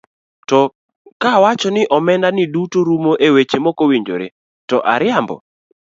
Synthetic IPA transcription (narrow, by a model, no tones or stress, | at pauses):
tɔ | kawat͡ʃɔnɪʔɔmɛndanɪdutoɾumoʔewet͡ʃemɔkowiɲd͡ʒo̰ɾḛ | tɔʔa̰ɾɪambɔ̰